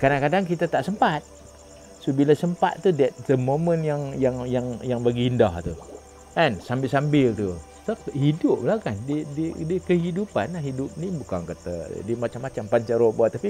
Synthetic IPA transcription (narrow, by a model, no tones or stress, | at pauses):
kaɾaŋkadaŋkit̪at̪aʔsəmpat̪̚ | sobilasəmpa̰t̪t̪udɛt̪̚təmomənjaŋjaŋjaŋjaŋbaɡiːndaht̪u | ʔɛnsambɪlsambɪlt̪u | sahidʊp̚lahkandididəkəɦidupanːahɦidʊp̚nibukaŋkət̪ə̰dimat͡ʃamːat͡ʃampaɲt͡ʃəɾobuat̪ːapi